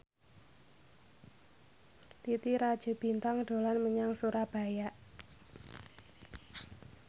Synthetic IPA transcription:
t̪it̪iɾad̥ʒ̥o̤b̥i̤nt̪aŋɖ̥o̤lanməɲaŋsuɾab̥a̤jaʔ

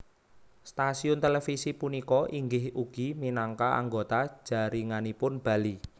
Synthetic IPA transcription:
st̪asiʊnt̪elefisipunikɔʔiŋɡɪhuɡ̥iminaŋkaa̰ŋɡot̪ḁʒ̥a̤ɾiŋanipʊnb̥a̤li

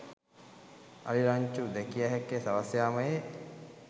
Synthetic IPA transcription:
a̰ɾiɾaɲt͡ʃud̪ɛkijaɦɛkːesaʋasjaːməje

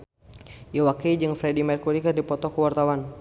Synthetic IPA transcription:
jawakid͡ʒɨŋfɾɛdimɛrkuɾikɨrdipɔt̪ɔkuwart̪awan

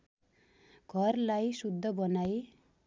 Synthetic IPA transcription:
ɡ̥ʱʌɾlajsud̪ʱːʌbʌnaj

